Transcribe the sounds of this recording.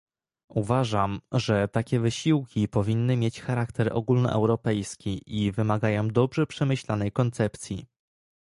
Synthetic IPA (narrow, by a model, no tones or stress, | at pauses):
uvaʐamʐɛt̪akʲɛvɘɕiwkʲipɔvʲinːɘmʲjet͡ɕxaɾakt̪ɛɾʔɔ̰ɡulnɔ̰ʔɛ̰wɾɔpɛjskʲiʔivɘmaɡajɔ̃w̃d̪ɔbʐɛpʂɛmɘɕlanɛjkɔnt̪sɛpt̪sʲjḭ